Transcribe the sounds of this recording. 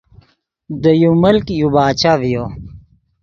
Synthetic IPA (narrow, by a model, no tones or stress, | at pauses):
d̪əjuməlkjubaːt͡ɕavijoː